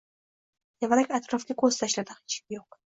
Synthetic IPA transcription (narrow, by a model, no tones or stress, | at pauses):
javaɾakʲat̪ɾɒfkʲakʰost̪ʰaʃlad̪ɪχɪ̥t͡ʃʰk̚ʲjoq̚